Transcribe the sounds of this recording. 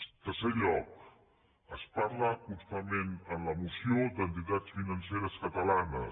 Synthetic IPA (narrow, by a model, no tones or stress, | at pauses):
t̪əɾseʎɔk̚ | əspaɾləust̪amenənləmusiod̪ənt̪it̪at͡sfinənseɾəskət̪əlanə